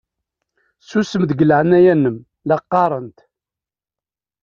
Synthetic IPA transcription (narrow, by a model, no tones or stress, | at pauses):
susəmd̪ɡələʕənːæjænːəm | lɑqːɑɾˤənt̪